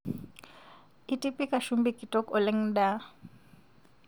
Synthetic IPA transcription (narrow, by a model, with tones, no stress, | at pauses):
ɪ˦tʼipʼi˦kʼa˨ʃumbikʼitʼɔ˦kɔ˨leŋ̩da˦